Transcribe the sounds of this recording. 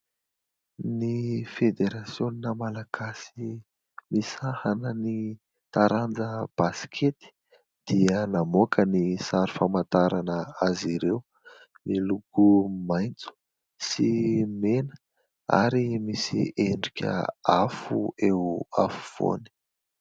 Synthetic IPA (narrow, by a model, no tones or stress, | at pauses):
nifed̪eɾasjoninəmalaɡ̥asi | misahanəni | t̪aɾand͡zəb̥asi̥kʰet̪i̥ | d̪̥iənamokʰənisaɾufamant̪aɾanəaziɾew | milukumajnt͡su̥ | simenə | a̰ɾimisḭeɳɖ͡ʐikʲə̰afuewa̰fuv̥o̰ni̥